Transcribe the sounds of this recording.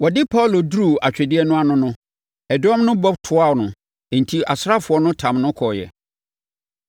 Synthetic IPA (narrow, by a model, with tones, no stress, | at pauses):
wɔ˨dɪ˦pʰa˦˨lo˨dɾu˨a˨t͡ɕᶣɛ˨dɪ˦ɛ˦nʊ̃˦a˦nʊ̃˦nʊ̃˦ | ɛ˨dɔ̃˦mnʊ̃˦bɔ˦btʰʊ˨a˦˨nʊ̃˨ | n̩˨tʰi˦a˨sa˦fʊ˨ɔ˦nʊ̃˦tʰã˨mnʊ̃˦kʰɔ˨jɛ̰˨